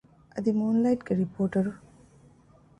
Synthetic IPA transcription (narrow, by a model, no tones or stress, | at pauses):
ɐd̪imuːnlɐjʈɡeɾipoːɾʈɐɾu